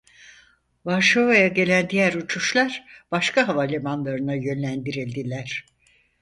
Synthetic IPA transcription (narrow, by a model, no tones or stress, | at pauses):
vaɾʃovajaɟe̞lʲænd̪ijæɾut͡ʃʰuʃlˠaɾb̥aʃkʰaɦavalʲemanlˠaɾɯnajø̞nlʲænd̪iɾilʲd̪ilʲæɾ̥